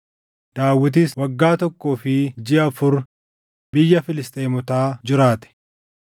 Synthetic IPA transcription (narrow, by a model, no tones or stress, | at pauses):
d̪̥aːwːɪt̪̬ɪswɐɡːaːt̪ɔkːoːfɪd͡ʒɪɐfʊɾ | bɪjːɐfɪlɪst̪ʼeːmɔt̪aːd͡ʒɪɾaːt̪ɛ̥